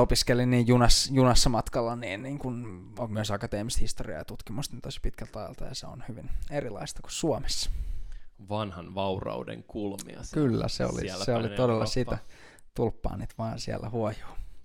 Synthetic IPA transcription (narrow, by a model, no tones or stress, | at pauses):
opiskelinniːjjunɑsjunɑsːɑmɑt̪kɑlːɑniːnniːŋkun | myøsɑkɑt̪eːmist̪hist̪oriɑ̰jɑt̪ut̪kimust̪niːnt̪osi̥pit̪kælt̪ɑjɑlt̪ɑjɑseo̰nhyʋinerilɑ̰ist̪ɑ̥ku̥ssuomesːɑ̥ | ʋɑnhɑnʋɑurɑ̰udḛŋkulmmḭɑ̰kylːæ̰sḛo̰lḭseolit̪odelːɑsit̪æ | t̪ulpːɑ̰ːniːt̪ʋɑːnsiæ̰lːæhuojo̥ː